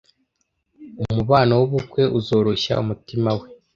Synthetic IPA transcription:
umuβaːnawuβukwe̞ʔuzo̞ːɾo̞ɕa̰umutimawe̞

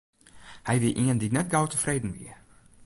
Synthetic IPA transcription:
hɛjʋɪʔiəndinɛt̚ɡawtəfreːdn̩ʋḭə

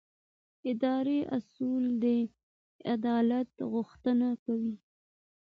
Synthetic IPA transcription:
ɪd̪ɑɾeʔa̰suld̪ə | ad̪ɑlat̪ɣʊxt̪ənakawi

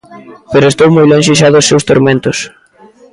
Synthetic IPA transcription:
peɾʊest̪owmojloŋʃɪʃ̬aðʊsːewst̪oɾmẽnt̪ʊs

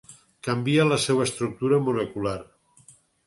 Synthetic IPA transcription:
kambialəsewəest̪ɾuk̚t̪uɾəmulekular

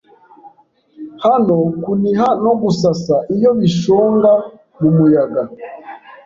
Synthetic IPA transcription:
hanokuniɦano̞ɡusasaʔijo̞βiʃoːŋɡa | mumujaɡa

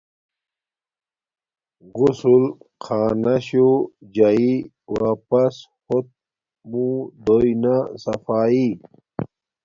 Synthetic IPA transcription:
ɡusulqʰaːnɐɕud͡ʑai | wapɐsxot̪̚ | mũd̪ojnasɐfaːi

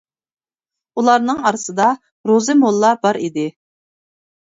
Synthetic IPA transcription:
ulˠɑɾnɨŋɑɾɨsɨd̪ɑ | ɾozɨmolˠːɑbɑɾid̪ɪ

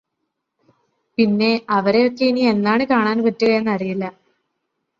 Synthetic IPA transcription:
pinːe̞ɐʋɐɾe̞jo̞kːe̞inie̞nːaːɳɨkaːɳaːnpɐtːuɣɐjenːɐrijilːɐ

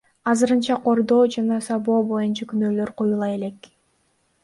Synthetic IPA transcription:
ɑzɯɾɯnt͡ʃɑqʰo̞ɾd̪o̞ːd͡ʒɑnɑsɑbo̞ːbo̞junt͡ʃɑkynøːlø̞ɾqʰojulˠɑe̞le̞k

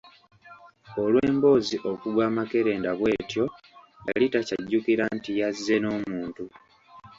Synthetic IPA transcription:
olweːmbo̞ːziʔo̞kuɡwaːmake̞ɾe̞ːndaβwe̞ːtjo̞ | ja̰litaca̰ɟːukiɾantijazːe̞no̞ːmuːntu

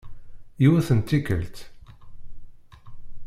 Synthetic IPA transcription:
iwæθənt̪ːikə̰lt̪

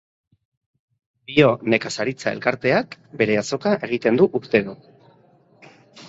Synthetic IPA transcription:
bio̞ne̞kasaɾit͡sae̞lkaɾt̪e̞akbe̞ɾe̞aso̞kaʔe̞ɣ̞it̪e̞nd̪uʔust̪e̞ðo

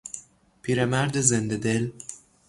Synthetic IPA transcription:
pʰiːɾemæɾd̪ezend̪ed̪el

